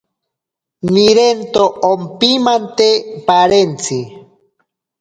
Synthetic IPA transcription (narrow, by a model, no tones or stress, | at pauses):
niɾent̪oompimant̪epaɾent͡sʰi